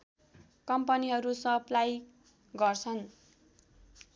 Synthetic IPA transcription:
kʌmpʌniɦʌɾusʌplaj | ɡʌrt͡sʰʌn

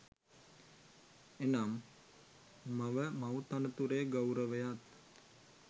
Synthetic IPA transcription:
enam | aʋəmawt̪anət̪uɾeːɡawɾəʋəjat̪

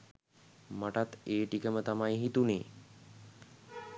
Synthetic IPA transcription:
məʈat̪eʈikəmət̪amajɦit̪une

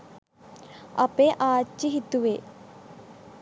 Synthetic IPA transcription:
ɐpeʔaːiɦit̪uʋe

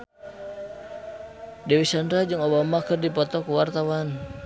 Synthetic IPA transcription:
dewisandɾad͡ʒɨŋobamakərdipɔt̪ɔkuwart̪awan

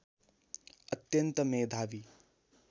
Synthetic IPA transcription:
ət̪jɐnt̪ɐmeːd̪ʱaːʋi

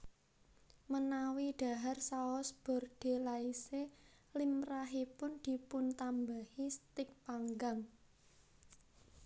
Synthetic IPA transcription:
mənawiɖ̪̥a̤ɦarsaɔsb̥ɔ̤rɖ̪̥e̤laise | limraɦipʊnd̪̥i̤pʊnt̪ambahist̪ɪk̚paŋɡaŋ

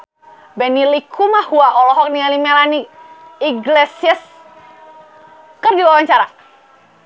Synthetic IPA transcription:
bɛnilikʰumahuaʔɔlɔɦɔk̚nialimɛlaniiɡlesiəs | kərdiwawaɲt͡ʃaɾa

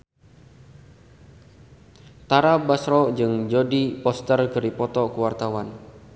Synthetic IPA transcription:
t̪aɾabasɾɔd͡ʒɨŋd͡ʒɔdipɔst̪ərɡəɾipɔt̪ɔkuwart̪awan

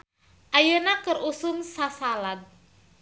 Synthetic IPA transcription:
ʔajənakɨrusunsasalad̪̚

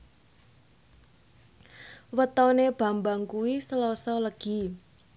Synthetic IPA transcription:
wət̪ɔneb̥a̤mbaŋkuwisəlɔsɔləɡ̥i̤

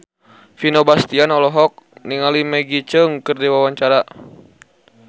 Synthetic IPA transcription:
finobast̪ianɔlɔɦɔk̚niŋalimɛɡit͡ʃəŋkɨrdiwawaɲt͡ʃaɾa

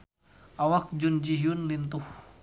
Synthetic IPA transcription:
ʔawak̚d͡ʒund͡ʒiɦiunlint̪uh

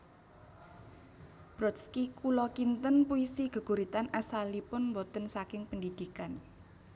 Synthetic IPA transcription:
b̥ɾɔt̪skikulɔkint̪ənpuisiɡ̥ə̤ɡ̥ṳɾit̪anasalipʊnmbɔt̪ənsakɪŋpəndid̪̥i̤kan

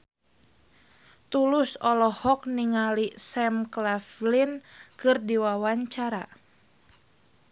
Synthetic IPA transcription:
t̪ulʊsɔlɔhɔk̚niŋalisɛmklaflinkɨrdiwawaɲt͡ʃaɾa

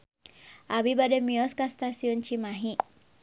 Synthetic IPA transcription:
ʔabibadɛmiɔskast̪asiɔnt͡ʃimaɦi

